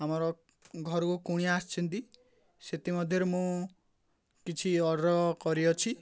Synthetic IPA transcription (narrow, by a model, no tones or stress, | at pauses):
amɔɾɔ | ɡʱɔɾɔkukuɽ̃iast͡ʃʰint̪i | set̪imɔd̪ʱjɔɾemũ | kit͡ʃʰiɔɽɾɔkɔɾiɔt͡ʃʰi